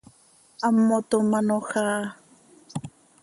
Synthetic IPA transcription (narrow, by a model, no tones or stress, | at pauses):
amːot̪omanoxaː